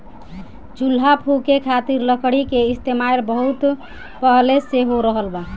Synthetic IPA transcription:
d͡ʒul̤ːapʰukekʰat̪iɾləkɽ̤ikeist̪emaeɾbəɦut̪ | pəɦleseɦoɾəɦəlba

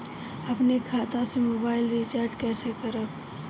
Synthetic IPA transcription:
əpnekʰaːt̪ãsemoːbaːɪlɾit͡ʃaːɾɖkɛːsekəɾəb

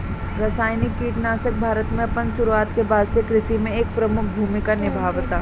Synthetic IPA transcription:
ɾɐsaːjnɪkːiːʈnaːsək̚bʱaːɾət̪mẽɐpənʃʊɾuaːt̪kebaːd̪sekɾɪʃimẽeːk̚pɾɐmʊk̚ʰbʱuːmɪkanɪbʱaːʋt̪aː

